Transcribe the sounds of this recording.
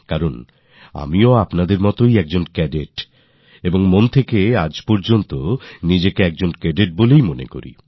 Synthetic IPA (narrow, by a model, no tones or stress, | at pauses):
kaɾon | a̰mioapnad̪eɾmɔt̪ojɛk̚d͡ʑonkɛɖeʈ | eboŋmont̪ʰekead͡ʑpɔɾd͡ʑont̪onid͡ʑekeɛk̚d͡ʑonkɛɖeʈ̚bolejmonḛko̰ɾḭ